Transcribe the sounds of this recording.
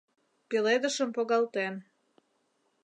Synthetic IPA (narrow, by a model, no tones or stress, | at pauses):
piled̪əʃəmpoɣɑlˠt̪en